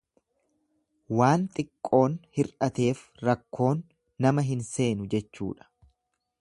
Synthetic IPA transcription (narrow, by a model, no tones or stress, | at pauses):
waːnt̪ʼɪkʼːo̞ːnhɪɾʔɐt̪e̞ːf | ɾɐkːo̞ːnː | ɐmɐɦɪnse̞ːnʊd͡ʒɛt͡ʃːṵːᶑɐ̥